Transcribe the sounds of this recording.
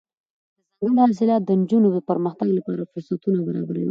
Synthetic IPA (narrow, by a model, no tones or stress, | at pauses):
d̪əzaŋɡaɽhɑs̬ɪlɑt̪̚d̪ənd͡ʒunod̪əpəɾməxt̪aɡlapɑɾafʊɾsat̪unabaɾɑ̰baɾa̰wḭ